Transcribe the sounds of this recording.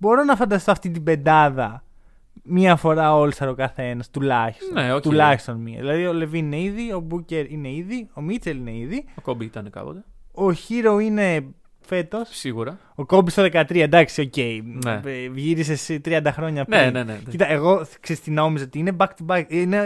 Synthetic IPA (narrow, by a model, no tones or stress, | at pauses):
bo̞ɾo̞nɐfɐnd̪ɐst̪oɐft̪it̪̬ibe̞nd̪ɐðɐ | miɐfo̞ɾɐo̞lsɐɾokɐθe̞nɐst̪ulɐçi̥st̪neot̪ulɐçi̥st̪o̞nmiɐ̰ðilɐðio̞le̞vinine̞iðio̞buce̞ɾine̞iðio̞mit͡seline̞iðiokobiit̪ɐnekɐ̰po̰t̪eoçiɾoine̞ | fe̞t̪o̞ssiɣuɾɐ | oko̞bist̪oðe̞kɐt̪ɾiɐd̪ɐksio̞ce̞inevʝiɾisest̪ɾiɐnd̪ɐxɾo̞ɲɐpenenecit̪ɐeɣo̞kseist̪ino̞misot̪iine̞bɐkt̪ubɐkine